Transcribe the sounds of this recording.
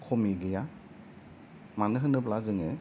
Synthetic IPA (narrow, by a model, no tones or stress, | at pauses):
kʰɔmiɡɯja | manɯɦɯnɯplazɯŋe